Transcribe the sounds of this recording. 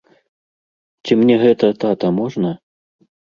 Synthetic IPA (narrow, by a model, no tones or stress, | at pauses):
t͡sʲimnʲɛɣɛt̪ɐt̪at̪ɐmɔʐnɐ